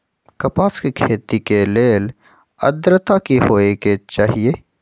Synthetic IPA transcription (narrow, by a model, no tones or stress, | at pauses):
kɐpaːskikʰeːt̪ikeleːl | ɐ̰d̪ɾət̪akiɦoːeket͡ʃaːɦijeː